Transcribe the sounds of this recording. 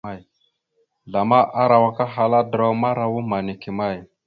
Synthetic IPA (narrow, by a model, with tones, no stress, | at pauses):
a˦˨ | ɮa˨ma˦ʔa˦ɾa˨wa˦ka˦ɦa˨la˦dɾo˦ma˦ɾa˦wu˦ma˨ni˨ki˨ma˦˨j